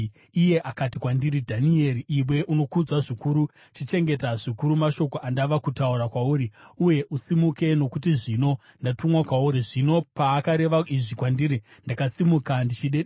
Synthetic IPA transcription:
ije̞ʔakatikwandiɾidʱanie̞ɾiʔːmwe̞ʔuno̞kud͡zwaʐikuɾu | t͡ʃit͡ʃe̞ŋɡe̞taʐikuɾumaʃo̞ko̞ʔandaʋakutauɾakwauɾiuje̞ʔusimuke̞no̞kutiʐino̞ | ndatumwakwauɾiʐino̞paːkaɾe̞ʋaiʐikwandiɾindakasimukandit͡ʃiɗe

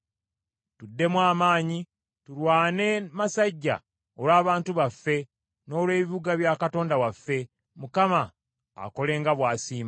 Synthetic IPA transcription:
tudːe̞mwaːmaːɲi | tulwaːne̞masaɟːa̰ | olwaːβaːntuβafːe̞ | no̞ːlwe̞ːβiiβuɡaβjaːkato̞ːndawafːe̞ | mukama̰ː | ko̞le̞ːŋɡaβwaːsiːma

